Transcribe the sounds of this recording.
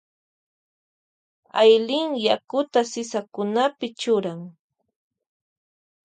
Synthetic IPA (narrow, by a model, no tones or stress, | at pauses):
ajlɪŋjakʊt̪asɪsakʊnapɪt͡ʃʊɾaŋ